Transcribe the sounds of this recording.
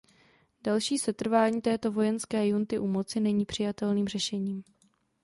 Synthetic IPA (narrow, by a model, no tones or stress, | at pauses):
dalʃiːsɛt̪r̩vaːɲiːt̪ɛːt̪o̞vo̞jɛnskɛːjunt̪ɪʔumo̞t͡sɪnɛɲiːpr̥ɪjat̪ɛlniːmrɛʃɛɲiːm